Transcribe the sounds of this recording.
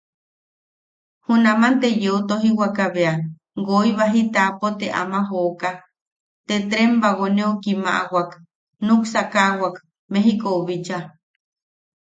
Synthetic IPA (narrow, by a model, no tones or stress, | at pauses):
hunamant̪ejeot̪oɦiwakaβea | ɡoiβaɦit̪apot̪eʔa̰mãɦoka | t̪et̪ɾembaɣonẽokima̰ʔawak | nũksakawak | meɦikouβit͡ʃa